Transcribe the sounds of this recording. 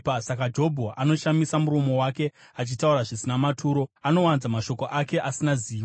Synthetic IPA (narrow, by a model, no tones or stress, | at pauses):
psakad͡ʒo̞bʱoʔano̞ʃamisamuɾo̞mo̞wake̞at͡ʃitauɾaʐisinamatʰuːɾo̞ano̞wanzamaʃo̞ko̞ʔake̞ʔasinaziː